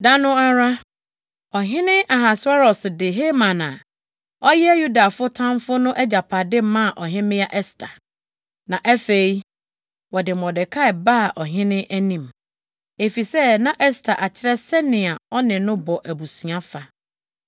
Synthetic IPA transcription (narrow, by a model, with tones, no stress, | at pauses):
da˦nʊ̃˦a˦ɾa˦ | ɔ˨ɦɪ̃˦nɪ̃˦ʔa˨ɦa˨sʊ˦a˦ɾɔ˨sɪ˨dɪ˨ɦe˦mã˨nã˨ | ɔ˦jɛ˦ju˦da˨fʊ˦tʰã˦m˦fʊ˦nʊ̃˦ʔɛ˦d͡ʑa˨pʰa˨dɪ˦mã˦˨ʔɔ˨ɦɪ̃˦mɪ̃˦a˦ʔɛ˦stʰa˨ | nã˨ʔæ˦fe˨i˦ | wɔ˨dɪ˨mɔ̃˨dɪ˨kʰa˦ɛ˨ba˦˨ʔɔ˨ɦɪ̃˦nɪ̃˦ʔæ˦nĩ˨m | e˨fi˨sɛ˦nã˨ʔɛ˦stʰa˨ʔa˨t͡ɕʰɪ˦ɾɛ˦sɛ˦nɪ̃˨a˨ɔ˦nɪ̃˨nʊ̃˦bɔ˨ʔæ˨bu˨sũ˨ã˦fa˨